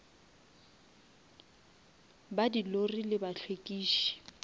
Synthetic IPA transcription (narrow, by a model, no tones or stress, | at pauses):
badilorilɪbaɬʰwekʼiːʃi̥